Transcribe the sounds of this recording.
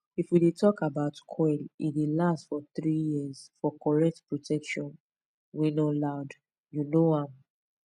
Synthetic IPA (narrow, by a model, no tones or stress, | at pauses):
ifwidetɔkabaʊtkʰɔlḭdelastfɔθɹijiəzfɔkɔɹɛk̚tpɹotʰɛkʃɔ̃n | winolaʊd | junoãm